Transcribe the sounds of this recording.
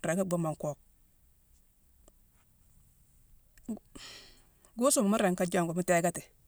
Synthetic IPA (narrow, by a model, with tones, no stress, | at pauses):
ɾe˨ŋa˦ɡ͡bu˦ma˨ŋko˨k̚ | ɡu˦su˦˨m˨mu˦ɾe˨ŋka˦d͡ʒa˦˨ŋɡu˨mu˦te˦ɡa˦ti˨